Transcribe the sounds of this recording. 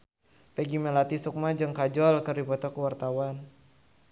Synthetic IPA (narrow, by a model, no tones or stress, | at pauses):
pɛɡimɛlat̪isuk̚mad͡ʒɨŋkad͡ʒɔlkɨrdipɔt̪ɔkuwart̪awan